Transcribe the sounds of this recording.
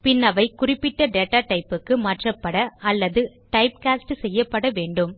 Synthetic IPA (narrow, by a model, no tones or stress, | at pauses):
pɪnːɐʋɐɪkʊrɪpːɪʈːɐɖeːʈːaːʈɐɪpːɯkːɯmɐʈrɐpːɐɽɐɐlːɐðɯʈɐɪpkaːsʈɯsɛjːɐpːɐɽɐʋeːɳɖɯm